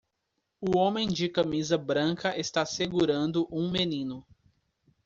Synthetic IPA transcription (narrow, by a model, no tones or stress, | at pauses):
ʊõmẽj̃d͡ʒɪkɐmizɐbɾɐ̃ŋkɐʔest̪aseɡuɾɐ̃nd̪ʊʔũmenĩnʊ